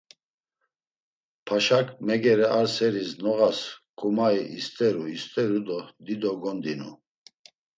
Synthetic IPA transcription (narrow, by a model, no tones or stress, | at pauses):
pʰaʃakʰʼmɛɡɛɾɛʔaɾsɛɾisnɔʁaskʼumaiʔist̪ʼɛɾuist̪ʼɛɾud̪ɔd̪id̪ɔɡɔnd̪inṵ